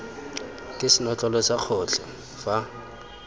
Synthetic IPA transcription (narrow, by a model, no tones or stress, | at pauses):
kʼɪsɪnɔt͡ɬʼɔlɔsaq͡χʰɔt͡ɬʰɛ | fa